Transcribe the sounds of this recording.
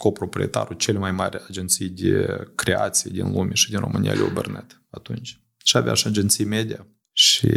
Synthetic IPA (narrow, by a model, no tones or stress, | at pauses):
ko̞pɾo̞pɾʲiet̪a̰ɾut͡ʃe̞lʲemajmarʲad͡ʒent̪sijd̪ekɾeat̪sijed̪inlumʲeʃid̪inro̞mʔɨnʲija̰lʲeobernɨt̪ | at̪unt͡ʃʲ | ʃiavʲa̰ʃiad͡ʒent̪sijmed̪ʲija | ʃi